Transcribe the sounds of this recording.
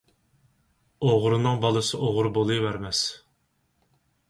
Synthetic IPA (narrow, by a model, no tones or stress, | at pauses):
oʁɾɨnɨŋbɑlˠɨsɨʔoʁʊɾbolˠɨjvæɾmɛs